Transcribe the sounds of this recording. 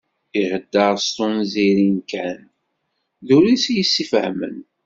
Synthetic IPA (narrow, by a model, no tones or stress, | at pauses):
iʁəd̪ːəɾˤst̪ʊnziɾinkæn | ðuɾisjəsːifəhmə̰n